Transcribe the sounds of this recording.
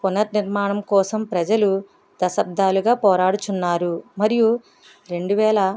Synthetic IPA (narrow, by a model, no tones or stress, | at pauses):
punɐɾniɾmaːɳɐmkɔːsɐmpɾɐd͡ʒɐlu | d̪ɐsɐb̚d̪ʱaːluɡaːpɔːɾaːɽut͡ʃunːaːɾumɐɾiju | ɾe̞ɳɖuʋɛːlɐ